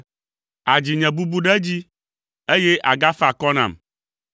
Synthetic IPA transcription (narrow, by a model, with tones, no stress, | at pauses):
a˨d͡ʑi˨ɲɛ̃˨bu˦bu˦ɖɛ˦d͡ʑi˦ | e˦je˦ʔa˨ɡa˦fa˨kɔ˦nã̰˨m